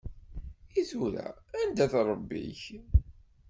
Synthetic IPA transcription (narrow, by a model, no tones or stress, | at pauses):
iθuɾæ̰ænd̪æθɾˤəbːḭç